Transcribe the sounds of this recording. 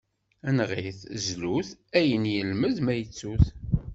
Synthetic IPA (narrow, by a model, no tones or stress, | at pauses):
ænʁiθzluθæjənjəlməðmæjət͡sːuθ